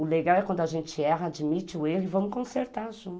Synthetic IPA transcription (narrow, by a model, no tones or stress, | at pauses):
ʊleɡawɛkwɐ̃nd̪ʊaʒẽnt͡ʃɪɛɦɐad͡ʒimit͡ʃɪʊeɦʊɪvɐ̃mʊkõseɾt̪aɾʒũt̪